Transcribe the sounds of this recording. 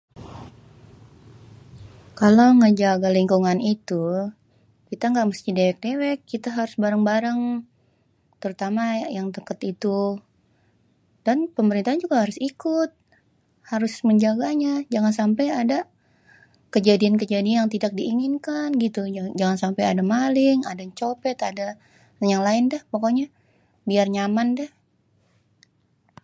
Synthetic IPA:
kalawŋəd͡ʒaɡaliŋkuŋanit̪u | kit̪aŋɡaʔməst̪idewɛk̚dewɛkːit̪aɦaɾʊsbaɾəŋbaɾaŋ | t̪əɾut̪amajaŋt̪əkət̪it̪u | d̥anpəməɾint̪aɦand͡ʒuɡahaɾʊsikʊt̪̚ | haɾʊsməɲd͡ʒaɡaɲad͡ʒaŋansampajada | kəd͡ʒadiank̬əd͡ʒadiajaŋt̪idak̚diːŋɪnkanɡit̪ud͡ʒaŋansampajadamalɪŋadat͡ʃopɛt̪ada | jaŋlaɪndɛhpokoɲa | biarɲamandɛh

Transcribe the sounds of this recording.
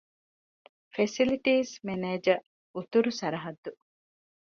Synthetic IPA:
fesiliʈiːsmeneːd͡ʒɐ | ut̪uɾusɐɾɐɦɐd̪ːu

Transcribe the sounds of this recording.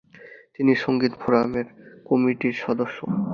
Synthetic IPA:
t̪iniʃoŋɡit̪bʰʱoɾameɾkɔmiʈiɾʃɔd̪oʃːo

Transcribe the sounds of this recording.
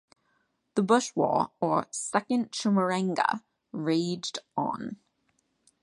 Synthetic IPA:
ðəbʊʃwɔ̰ːəsɛkə̃nʃʊməɹæ̃ŋɡə̰ | ɹeɪːd͡ʒdn̩

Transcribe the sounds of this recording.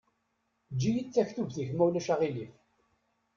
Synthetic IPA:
d͡ʒːijit͡sːæçθuvθiçmæwlæʃaʁilif

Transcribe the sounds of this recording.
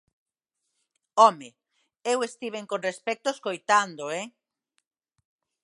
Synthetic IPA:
ɔme | ewest̪iβ̞eŋkonrespɛk̚t̪oeskojt̪and̪oɛ

